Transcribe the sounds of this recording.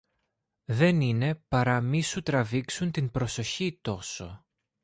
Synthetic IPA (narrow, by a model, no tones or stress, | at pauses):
ðe̞nine̞pɐɾɐmisut̪ɾɐviksunt̪inbɾo̞so̞çit̪o̞so̞̰